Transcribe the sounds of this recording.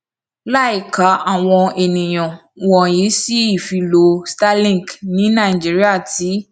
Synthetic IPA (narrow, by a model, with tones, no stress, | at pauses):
la˦˨i˦˨ka˨˦a˦˨w̃ɔ̃˧e˨nĩ˨j̃ɔ̃˨ | wɔ̃˨ji˨˦si˦i˦˨fi˧lo˧sta˦lĩ˦˨knĩ˨˦nã˦˨i˨d͡ʒi˨˦ɾi˦a˦˨ti˨˦